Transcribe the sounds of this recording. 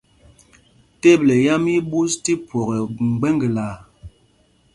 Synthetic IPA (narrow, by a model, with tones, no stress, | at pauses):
te˦˨blɛ˨ja˦mi˦bu˦sti˦pwɔ˨ɣɛ˨ŋ͡m̩˨ɡ͡bɛ˦ŋɡə˨la˨